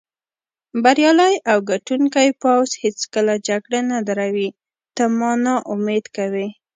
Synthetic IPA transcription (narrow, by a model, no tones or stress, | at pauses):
baɾjɑləjawɡaʈuŋkajpawzhet͡skəlad͡ʒaɡɽanad̪aɾawi | t̪amɑnɑʔʊmed̪kawi